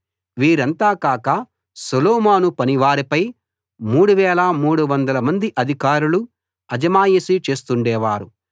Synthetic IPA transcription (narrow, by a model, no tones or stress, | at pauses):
ʋiːɾɐnt̪aːkaːkɐ | solɔːmaːnupɐniʋaːɾipɐj | muːɽuʋɛːlɐmuːɽuʋɐnd̪ɐlɐmɐnd̪iʔɐd̪ʱikaːɾulu | ɐd͡ʒɐmaːjisit͡ʃe̞ːst̪uɳɖɛːʋaːɾu